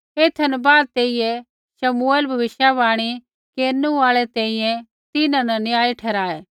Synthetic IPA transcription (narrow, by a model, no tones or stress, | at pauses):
eːt̪ʰɐnbaːd̪̚t̪eːijɛ | ʃɐmueːlbʱɐʋɪʃjabaːɽ̃i | keːɾnuaːɭɛt̪ɛ̃ːĩjɛ̃ | t̪ɪnãnɐnɪjaːiʈʰɛːɾaːeː